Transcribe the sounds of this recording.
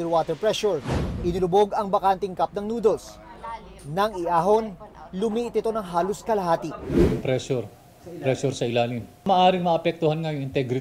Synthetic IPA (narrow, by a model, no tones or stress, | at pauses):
ɛwaːt̪ɛɹpɹɛʃuɹʔɪnlʊbo̞ɡɐŋbɐkant̪ɪŋkap̚nɐŋnuːd̪o̞s | nɐŋɪʔaːɦo̞nlʊmiːʔɪt̪ɪt̪o̞nɐŋɦaːloskɐlɐɦaːt̪ɪpɾɛsoɾ | pɾɛsoɾsɐʔɪlaːlɪn | mɐːʔaːɾɪŋmɐʔɐpɛk̚t̪ʊhanŋajʊŋɪnt̪ɛɡɾɪ